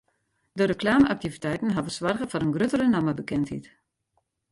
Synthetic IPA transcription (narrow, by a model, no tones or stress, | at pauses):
dərəkʰlaːməʔak̚tivitɛjtən̩ɦavəsʋarɣəfɔɾənɡrøtəɾənaməbəkɛnthḭt